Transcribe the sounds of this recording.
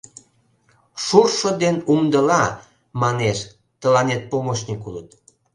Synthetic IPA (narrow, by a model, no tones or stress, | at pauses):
ʃurʃod̪enumd̪əlɑ | mɑneʃ | t̪əlɑnet̪̚pomoʃnikulət̪̚